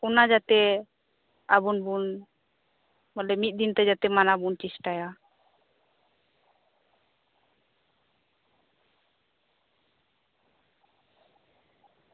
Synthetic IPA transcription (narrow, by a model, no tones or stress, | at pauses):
kunad͡ʒat̪ɛ | abunbun | balɛmit̪̚ˀd̪int̪ɛd͡ʒat̪ɛmanabunt͡ʃisʈaja